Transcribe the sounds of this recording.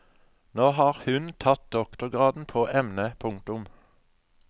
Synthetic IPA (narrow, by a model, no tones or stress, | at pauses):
noːhɑːʁhʉnt̪ʰɑt̪̚d̪ɔkt̪ʊʁɡʁɑːd̪n̩pʰoːʔɛmnəpʰʊŋkt̪ʊm